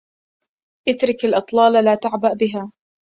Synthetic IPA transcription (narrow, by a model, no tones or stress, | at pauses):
ʔɪt̪ɾɪkalʔɨt̪ˤlɑːlalaːt̪aʕbaʔbɪɦaː